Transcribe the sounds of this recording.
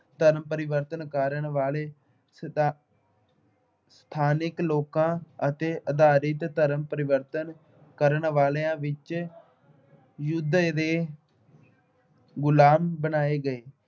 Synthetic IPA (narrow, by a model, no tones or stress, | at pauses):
t̪əɾəmpəɾɪʋəɾt̪ənkəɾəɳʋaːleː | st̪ʰaːnɪkloːkãːət̪eːʔəd̪aːɾɪt̪t̪əɾəmpəɾɪʋəɾt̪ən | kəɾəɳʋaːleãːʋɪt͡ʃ | jʊd̪ɾeː | ɡʊlaːmbənaːeːɡəeː